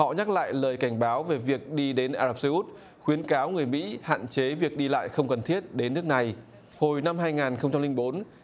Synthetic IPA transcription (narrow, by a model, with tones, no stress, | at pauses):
hɔ̰˧˨ɲa˦˥k̚la̰ː˧˨jləː˨˩jka˧˩jŋ̟ɓaː˨˦wve˨˩vi˨˩ək̚ɗi˧ɗe˨˦nʔaː˧zaː˨˧˩p̚sə˧hu˦˥t̚ | xwi˨˦ənkaː˨˦wŋɨ˨˩əjmḭ˧˥ha̰ː˧˨nt͡ɕe˨˦vi˨˩ək̚ɗi˧la̰ː˧˨jxə˧wŋ͡mkə˨˩nt̪ʰi˦˥ət̚ɗe˨˦nːɨ˦˥ək̚na˨˩j | ho˨˩jna˧mhɦaː˧jŋaː˨˩nxə˧wŋ͡mt͡ɕa˧mli˧ŋ̟ɓo˨˦n